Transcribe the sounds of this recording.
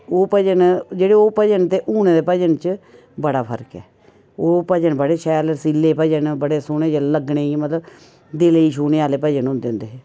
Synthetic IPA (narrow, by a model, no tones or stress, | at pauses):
oːpəd͡ʒənd͡ʒeːɽeoːpəd͡ʒənt̪eːʔuːnẽːd̪eːpəd͡ʒənt͡ʃ | bəɽaːpʰə̰ɾkɛ̰ː | oːpəd͡ʒənbəɽeːʃɛːləɾsilːeːpəd͡ʒənbəɽeːsʊneːd͡ʒaləɡɳeːimət̪ləb | d̪eːleiːʃuːneːaːleːpəd͡ʒənɦʊ̃nd̪eːɦʊ̃nd̪eː